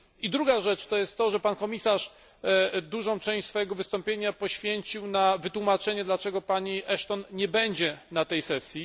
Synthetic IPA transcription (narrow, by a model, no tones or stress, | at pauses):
id̪ɾuɡaʐɛt͡ʂt̪ɔjɛst̪ːɔʐɛpankɔmʲisaʂ | d̪uʐɔ̃w̃t͡ʂɛ̃w̃ɕʲsfɔjɛɡɔvɘst̪ɔmpʲjeɲapɔɕfʲjeɲt͡ɕiwnavɘt̪wumat͡ʂɛɲɛd̪lat͡ʂɛɡɔpaɲiʔɛʂt̪ɔnɲɛbɛɲd͡ʑɛnat̪ɛjsɛsʲji